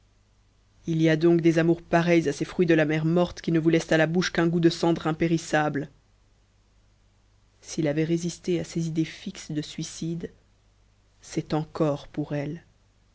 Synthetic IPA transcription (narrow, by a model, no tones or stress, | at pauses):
iliad̪ɔ̃kd̪ezamuʁpaʁɛjzasefχɥid̪əlamɛʁmɔʁt̪kʲinəvulɛst̪alabuʃkɛ̃ɡud̪əsɑ̃d̪ʁɛ̃peʁisabl | silavɛʁezist̪easezid̪efiksd̪əsɥisid̪ | sɛt̪ɑ̃kɔʁpuʁɛl